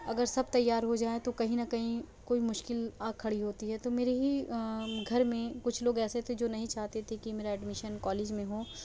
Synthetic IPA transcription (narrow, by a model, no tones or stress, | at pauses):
ɐɡəɾsɐb̚t̪ɐjːaːɾɦod͡ʒaːet̪okɐɦĩnɐkɐɦĩ | koːimʊʃkɪlaːkʰːɐɽiɦoːt̪iɦɛt̪omeːɾeɦi | ɡʱɐɾmẽkʊt͡ʃʰloːɡɛːset̪ʰed͡ʒoːnɐɦĩt͡ʃaːɦt̪et̪ʰekimeːɾaɛɖmɪʃənkɔːleːd͡ʒmẽɦoː